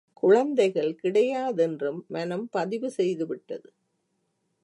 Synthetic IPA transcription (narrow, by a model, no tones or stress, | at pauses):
kʊɻɐnd̪ɐɪɣɐɭkɪɽɐjaːðɛndrɯmːɐnɐmpɐðɪʋɯsɛjðɯʋɪʈːɐðɯ